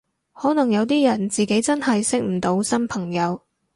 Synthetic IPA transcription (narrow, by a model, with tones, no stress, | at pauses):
hɔː˨˥nɐ˨˩ŋjɐ˨˧wt̪̬iː˥jɐ˨˩nt͡siː˨ke˨˥jt͡sɐ˥nhɐ˨jsɪ˥k̚m̩˨˩t̪o˨˥wsɐ˥npʰɐ˨˩ŋjɐ˨˧w